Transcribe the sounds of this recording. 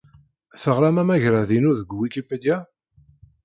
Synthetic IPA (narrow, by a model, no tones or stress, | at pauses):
θəʁɾamæmæʝɾaðinuðəɡwikipːəd̪æ